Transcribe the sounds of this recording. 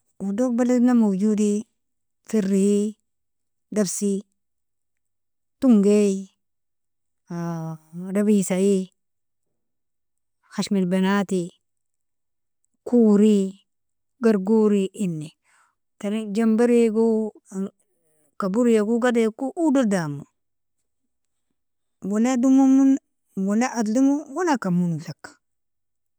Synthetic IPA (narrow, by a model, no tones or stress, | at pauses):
udok̚balinamod͡ʒudi | firːiji | dafsi | tuŋɡei | dabisai | haʃmilbenati | kuːɾi | ɡaɾɡuɾiʔinːi | taɾid͡ʒambaɾiɡu | kabuɾjakuɡadekuʔududamu | wunedumumun | wuneʔaddumuwunakamunɬak